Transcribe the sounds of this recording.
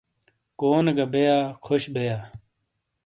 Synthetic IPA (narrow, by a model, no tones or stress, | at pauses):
koːnɡɐbejaːkʰoɕbejaː